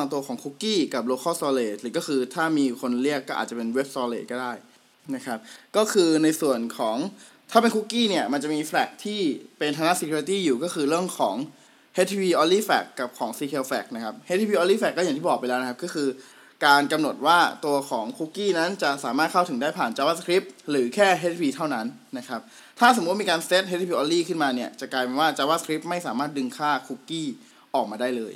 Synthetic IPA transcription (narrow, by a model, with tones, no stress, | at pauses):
a˧ŋt̪u˧ɐkʰɔː˩˦ŋkʰu˦˥kːiː˥˩ka˨˩p̬̚loː˧kʰɔː˥˩sɔː˧leː˧˩t̪̚lɯː˨˦kɔ˥˩xʰɯː˧t̪ʰaː˥˩miː˧kʰo˧nli˥˩əkːɔː˥˩a̰ː˨˩t͡ɕa˨˩pe˧nwe˦˥p̚sɔː˧lḛː˧t̪̚kɔː˥˩daː˥˩j | na˦˥kʰa˦˥p̚kɔː˥˩kʰɯː˧na˧jsu˨˩ənkʰɔː˩˦ŋ | t̪ʰaː˥˩pe˧nku˦˥kːiː˥˩ni˥˩ɐma˧nt͡ɕa˨˩miː˧flɛː˨˩k̚t̪ʰiː˥˩pe˧nt̪ʰaː˧na˦˥ʔsi˧kʰu˧ɾi˧˦t̪iː˥˩juː˨˩kɔː˥˩xʰɯː˧ɾɯ˥˩əŋkʰɔː˩˦ŋ | he˦˥t̪ʰːwiː˧ʔɔː˧liː˥˩fɛ̰ː˨˩kːa˨˩p̚kʰɔː˩˦ŋsiː˧kʰe˧fɛː˨˩k̚na˦˥kʰa˦˥p̚he˦˥t̪ʰi˧wiː˧ʔɔː˧liː˥˩fɛː˨˩kːɔ˥˩ja˨˩ŋt̪iː˥˩ɔː˨˩pa˧jlɛː˦˥wna˦˥a˧˥kɔː˥˩ɯː˧ | kaː˧nka˧mno˨˩t̪̚waː˥˩t̪u˧ɐkʰɔː˩˦ŋkʰu˦˥kːiː˥˩na˦˥nt͡ɕa˨˩saː˨˩˦maː˥˩t̪̚kʰa˥˩wt̪ʰɯ˩˦ŋdaː˥˩jpʰaː˨˩nt͡ɕaː˧waː˥˩skʰɾi˦˥p̚ɾɯː˩˦kʰɛː˥˩ɦe˦˥t̪̚ʰwiː˧t̪ʰa˥˩wna˦˥nːa˦˥kʰa˦˥p̚ | t̪ʰaː˥˩so˨˩˦mi˧kaː˧nse˦˥t̪̚he˦˥t̪̚ʰiː˧ʔɔː˧liː˥˩kʰɯ˥˩nmaː˧ni˥˩ət͡ɕa˨˩kaː˧jpe˧nwaː˥˩t͡ɕaː˧waː˥˩sʰɾi˦˥p̚ma˥˩jsaː˩˦maː˥˩t̪̚dɯ˧ŋkʰaː˥˩kʰu˦˥kːiː˥˩ | ʔɔː˨˩k̚maː˧daː˥˩jlɤː˧j